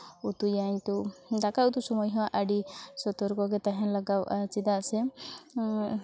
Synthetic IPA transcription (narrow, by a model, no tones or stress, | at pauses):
ut̪ujajɲt̪udakaut̪usɔmɔjɦɔwaʔaɖisɔt̪ɔɾɡɔɡɛt̪aɦãlaɡawat͡ʃid̪aʔsɛ